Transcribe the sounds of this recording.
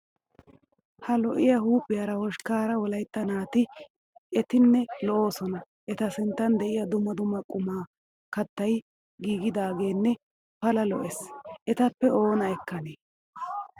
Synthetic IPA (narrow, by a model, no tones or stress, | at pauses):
hɐlɔʔɪjahuːpʼːɪjaːɾɐhɔʃkaːɾɐwɔlɐjt̪ːɐnaːt̪ɪ | ɛt̪ɪnːɛlɔʔo̞ːsɔnɐ | ʔɛt̪ɐsɪnt̪ːɐnd̪ɛʔɪjɐd̪ʊmːɐd̪ʊmːɐkʼʊmaː | kɐt̪ːɐj | ɡiːɡɪd̪aːɡe̞ːnːɛ | pɐlɐlɔ̰ʔɛsʔɛt̪ɐpːɛo̞ːnɐɛkːɐneː